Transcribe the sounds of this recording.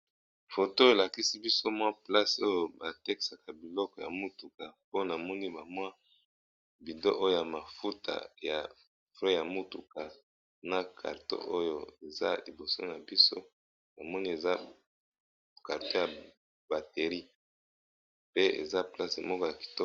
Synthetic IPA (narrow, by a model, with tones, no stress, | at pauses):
fo˨to˦e˨la˨ki˦si˦bi˦so˦mwa˦pla˦so˦jo˦ba˨te˦ki̥˨sa˨ka˨bi˨lɔ˦kɔ˨ja̰˨mu˦tu˨ka˨po˦na˨mɔ˦ni˦ba˨mwa˦ | bi˨do˦ʔo˦jo˦ja˨ma˨fu˦tʰa̰˨ja̰˨ | fʁɛ˦ja˨mu˦tu˨ka˨ | na˨kʰa̰˨ʁto̰˦ʔo˦jo˦e˨za̰˦li˨bo˨so̰˦na˨bi˦so̰˦ | na˨mɔ˦ni˦e˨za˦ | ka˨ʁto˦ja˨ | ba˨te˨ʁi˦ | pe˦ḛ˨za˦pla˦se˨mɔ˦kɔ˦ja˨ki̥˨tɔ˦